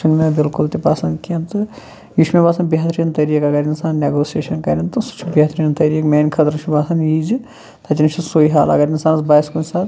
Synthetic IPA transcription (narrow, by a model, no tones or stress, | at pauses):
sunmebɪlkult̪ipɐsɐnd̪kiɐnt̪ɨ | juʃmibaːsɐnbiɦɐt̪ʰɾijɐnt̪ɐɾiːkɐɡɐɾinsaːnneɡoːsijeːʃɐnkɐɾint̪ɨsu̥t͡ʃʰubiɐt̪ʰɾijɐnt̪ɐɾiːkmeːnkʰɐt̪ɾuʃmibaːsɐnjiːd͡ʒ | t̪ʰɐt͡ʃint͡ʃʰusoːiɦaːlɐ̰ɡɐɾinsaːnsbaːskunsaːt̪